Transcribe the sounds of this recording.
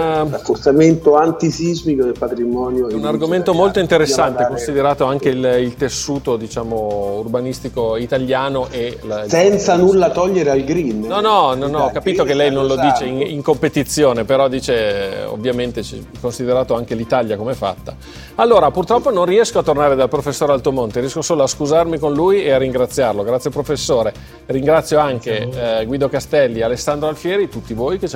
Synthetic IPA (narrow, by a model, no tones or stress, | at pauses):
rafːort̪sament̪oant̪isizmikod̪elpat̪ɾimɔnjounarɡoment̪omolt̪oint̪eɾesːant̪ekonssid̪eɾaːt̪oaŋk̟elilt̪esːuːt̪od̪it͡ʃaːmourbanist̪ikoit̪aljaːnoʔelsɛnt̪sanulːat̪ɔʎːeɾealɡɾinnɔnɔnɔnːɔkːapiːt̪ok̟elːɛjnonlod̪iːt͡ʃeiŋiŋkompet̪it̪sːjoːnepeɾɔd̪iːt͡ʃeo̰vːjament̪et͡ʃɛ̰ | konsid̪eɾaːt̪oaŋk̟elit̪aljakomeɛfa̰t̪ːa | alːoːɾapurt̪ɾɔpːononriɛskoat̪ːornaːɾed̪alpɾofesːoːɾealt̪uomont̪eɾijɛskosoːloaskuzarmikonluːjearːiŋɡɾat̪sːjarloɡɾat̪sjalpɾofesːoːɾe | riŋɡɾat̪sːjoaŋkeɡwiːd̪okast̪ɛlːialesːand̪ɾoalfjɛːɾit̪ut̪ːivoːjket͡ʃ